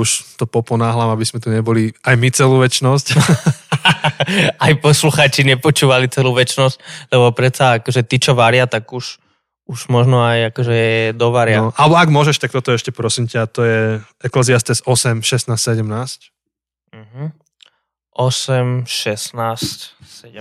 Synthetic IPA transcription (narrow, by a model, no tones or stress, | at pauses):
uʃt̪ɔpɔpɔnaːɦlaːmabizmɛt̪uɲɛbɔliajmit͡sɛluːʋɛt͡ʃnɔsc | ajpɔsluxaːt͡ʃiɲɛpɔt͡ʃuːʋalit͡sɛluːʋɛt͡ʃnɔsc̚lɛbɔpɾɛt̪saakɔʒɛt̪iːt͡ʃɔʋaɾɪat̪aɡuʃ | uʒmɔʒnɔajakɔʒɛɛd̪ɔʋaɾɪaʔalɛbɔaɡmʊɔʒɛʃt̪ak̚t̪ɔt̪ɔɛʃcɛpɾɔsimcaːt̪ɔjɛ | ɛklɛziast̪ɛsɔsɛmʃɛsnaːstsɛɟɛmnaːsc | m̩ɦ̩ | ʔɔsɛmʃɛsnaːscsɛɟɛ